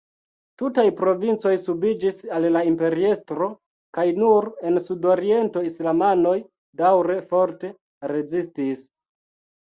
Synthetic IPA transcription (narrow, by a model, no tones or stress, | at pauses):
tutajpɾo̞vint͡so̞jsubid͡ʒisallaimpe̞ɾiestɾo̞ | kajnuɾe̞nsudo̞ɾie̞nto̞islamano̞j | dawɾe̞fo̞ɾte̞ | ɾe̞zistis